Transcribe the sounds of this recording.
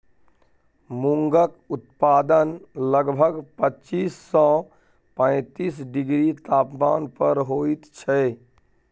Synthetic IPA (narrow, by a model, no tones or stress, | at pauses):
muŋɡəkʊt̪paːd̪ənləɡbʱəɡpətːt͡ʃiːsːɔ | pə̃ɪ̃t̪iːsɖɪɡɾit̪aːpmaːnpəɾɦoːit̪t͡ʃʰɛ